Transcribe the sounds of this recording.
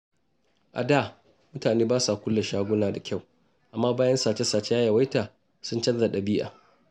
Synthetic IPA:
ʔa̰˨da˦˨ | mʊ˦taː˨neː˦baː˦sa˨kʷʊ˦lːe˨ʃaː˦ɡʷʊ˦naː˨da˨kʲʰa˦˨w | ʔa˨mːaː˦baː˦jɐ˦nsaː˨t͡ʃe˦saː˨t͡ʃe˦jaː˦ja˨wa˦taː˨ | sʊ˦nt͡ʃɐ˦nza˨ɗɐ˨bɪ˦jʔa̰ː˨

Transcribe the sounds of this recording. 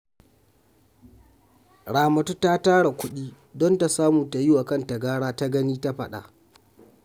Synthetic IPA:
ɽaː˨mɐ˨tu˦ta˦taː˦ɽa˨kʷʊ˦ɗiː˦ | dɔ˦nta˨saː˦muː˨ta˨jɪ˦wa˨kɐ˦˨nta˨ɡaː˦ɽaː˦ta˦ɡɐ˦niː˦ta˦ɸɐ˦ɗa̰˨ʔ

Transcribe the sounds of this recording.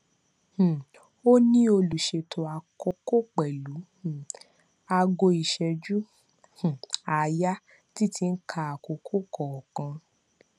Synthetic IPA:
h̩˨ | o˦nĩ˦o˧lu˨ʃe˧tʰo˧a˧ko˧ko˦k͡pɛ˨lu˨˦˨ | a˧ɡo˧i˨ʃɛ˧d͡ʒu˦ | h̩˨a˨˧ja˦ | ti˦tʰi˧n̩˦kʰa˧a˨ko˧kʰo˦kɔ˨ɔ˨kã˧

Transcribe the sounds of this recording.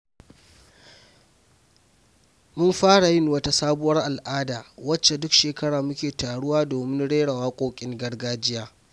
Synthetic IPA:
mʊ˦mɸaː˦ɽa˨jɪ˦nwɐ˦ta˦saː˦bʊ˦wɐ˦rʔa˨lʔaː˦daː˨wɐ˦t͡ʃːe˨dʊ˦kʃeː˨kɐ˦ɽaː˨mʊ˦kʲeː˨taː˨ɽʊ˦waː˦doː˨mɪ˦nɽeː˦ɽa˨waː˦kʷʼoː˦kʲʼɪ˦ŋɡɐ˦rɡaː˦d͡ʒɪ˦jaː˦

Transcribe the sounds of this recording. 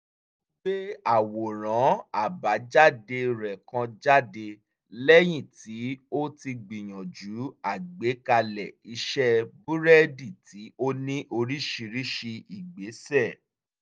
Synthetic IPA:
ɡ͡be˦a˨wo˨ɾ̃ã˨˦a˦˨ba˨˦d͡ʒa˦˨de˧ɾɛ˨kã˧d͡ʒa˦de˧ | lɛ˦j̃ĩ˦˨ti˨˦o˦ti˧ɡ͡bi˨j̃ɔ̃˨d͡ʒu˨˦a˦˨ɡ͡be˨˦ka˧lɛ˨i˧ʃɛ˦bu˦ɾɛ˦di˦˨ti˨˦o˦nĩ˦ʔo˧ɾi˦ʃi˧ɾi˦ʃi˧i˨ɡ͡be˨˦sɛ˦˨

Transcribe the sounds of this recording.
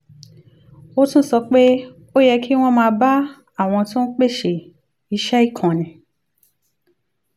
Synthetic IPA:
o˦tũ˦sɔ˧k͡pe˦ | o˦jɛ˧kʰi˦w̃ɔ̃˦mãː˧ba˦ | a˦˨w̃ɔ̃˧tõ˦n̩˦k͡pe˦ʃe˨ | i˧˦ʃɛ˦i˦˨kʰã˨nĩ˨

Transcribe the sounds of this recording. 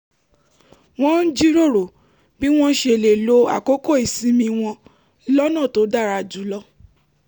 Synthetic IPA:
w̃ɔ̃˦n̩˦d͡ʒi˦ɾo˦˨ɾo˨ | bi˦w̃ɔ̃˦ʃe˧˨le˨lo˧a̰˦˨ko˨˦ko˦˨i˨sĩ˨˦mĩ˧w̃ɔ̃˧ | lɔ˦nã˦˨to˨˦da˦˨ɾa˧˨d͡ʒu˨˦lɔ˦

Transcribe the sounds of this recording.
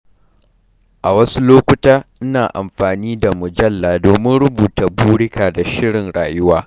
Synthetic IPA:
ʔa˨wɐ˦su˦loː˦kʷʊ˦taː˦ʔɪ˦naː˨ʔa̰˨mɸaː˨niː˦da˨mʊ˨d͡ʒɐ˦lːaː˨doː˨mɪ˦nɽʊ˦buː˨ta˨buː˦ɽɪ˦kaː˨da˨ʃɪ˦ɽɪ˨nɽa̰ː˨jʊ˦waː˦

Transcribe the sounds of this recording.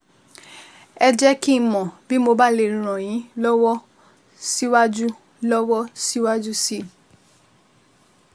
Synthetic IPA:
ɛ˧d͡ʒɛ˦ki˦˧mɔ̃˨bi˦mo˧ba˦le˨ɾɾ̃ɔ̃˨j̃ĩ˨˦lɔ˦wɔ˦ | si˦wa˦d͡ʒu˦ | lɔ˦wɔ˦si˦wa˦d͡ʒu˦si˦˨

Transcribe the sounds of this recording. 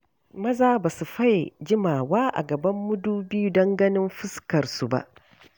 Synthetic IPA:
mɐ˦zaː˦baː˨su˨ɸa˦jd͡ʒɪ˦maː˨waː˦ʔa̰˨ɡɐ˨bɐ˦mːʊ˦duː˦bi˦ju˦dɐ˦ŋɡɐ˦nɪ˦mɸɪ˦skɐ˨rsu˨ba̰˦ʔ

